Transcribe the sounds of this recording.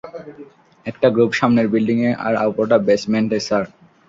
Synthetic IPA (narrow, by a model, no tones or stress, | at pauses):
ɛk̚ʈaɡɾupʃamneɾbilɖiŋeʔa̰ɾa̰wpoʈabesmeɳʈesaɾ